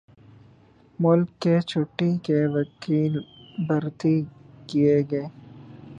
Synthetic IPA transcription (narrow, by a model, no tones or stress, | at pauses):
mʊlkːet͡ʃʰʊʈːikeʋɐkiːlbɐɾt̪ikieɡɐeː